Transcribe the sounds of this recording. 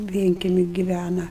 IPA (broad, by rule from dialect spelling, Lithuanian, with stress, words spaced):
ˈʋʲiɛŋʲkʲɛmʲɪ ɡʲɪˈʋʲænɐ